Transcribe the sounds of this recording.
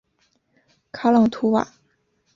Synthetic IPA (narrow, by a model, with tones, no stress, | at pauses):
kʰa˥lɑ˥˩ŋt̪ʰu˧˥wa̰˨˩˦